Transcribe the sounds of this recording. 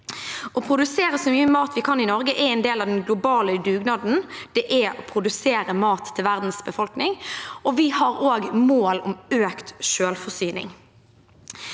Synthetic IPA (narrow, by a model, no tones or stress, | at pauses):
ɔpʰʁʊd̪ʉseːɾəsɔmyːəmɑːt̪ʋɪkʰɑnɪnɔʁɡəʔɛɛnd̪eːlɑʋd̪ɛnɡlʊbɑːləd̪ʉːɡnɑd̪n̩d̪̥ɛʔɛɔpʰʁʊd̪ʉseːɾəmɑːt̪ʰːɪlʋæʁd̪n̩sbəfɔlknɪŋɔʋɪhɑɾoːɡmoːlɔ̰møːkt̪ʃøːlfɔʁsyːnɪ̰ŋ